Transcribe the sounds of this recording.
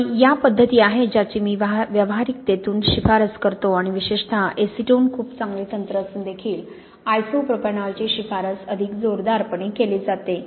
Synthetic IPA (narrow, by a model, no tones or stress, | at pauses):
ijapəd̪ʱːət̪iːaɦed͡ʑat͡ɕimiːʋʋjəʋɦaɾik̚t̪et̪uːnɕifaɾəskəɾt̪oaɽ̃iʋiɕeʂt̪ʰaʔesiʈoːnkʰuːpt͡sãŋɡlet̪ənt̪ɾəəsund̪ekʰiːl | ajsopɾəpəɳaɭt͡ɕeɕifaɾəsəd̪ʱikd͡zoɾd̪aɾpəɳekeled͡zat̪e